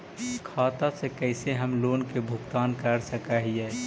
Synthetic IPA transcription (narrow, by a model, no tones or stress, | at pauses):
kʰaːt̪asekɛɪseɦəmloːnkebʱʊkt̪aːnkəɾsəkaɦiɛː